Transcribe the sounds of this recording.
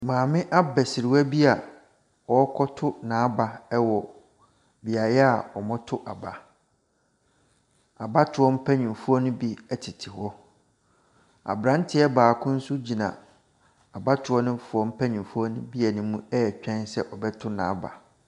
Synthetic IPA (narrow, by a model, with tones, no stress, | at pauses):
mãː˨mɪ̃˦ʔa˦bɛ˨sɪ˨ɾɪ˨wæ˦bi˦a˨ | wɔ˦kʰɔ˦tʰʊ˦nãː˨˦ba˨ɛ˦wɔ˨ | bi˨a˨jɛ˦a˨ɔ˨mɔ̃˦tʰʊ˦ʔa˨ba˨ | a˨ba˦tʰʊ˨ɔ˦m̩˦pʰæ˦ɲĩ˨m˨fu˦ɔ˦nʊ̃˦bi˦ɛ˦tʰɪ˨tʰɪ˨hɔ˦ | a̰˨bɾã˦n˦tʰɪ˦ɛ˦baː˨kʰʊ̃˦n̩˦sʊ˦d͡ʑi˨nã̰˨ | a˨ba˦tʰʊ˨˦ɔ˦nɪ̃˦fu˨ɔ˦m̩˦pʰæ̃˦ɲĩ˨fu˦ɔ˦nʊ̃˦bi˦ɛ˨nʊ̃˨mũ˦ɛ˦ɛ˨t͡ɕᶣɛ̃˦nsɛ˦ʔɔ˨bɛ˦tʰʊ˦nã̰˨˦ba̰˨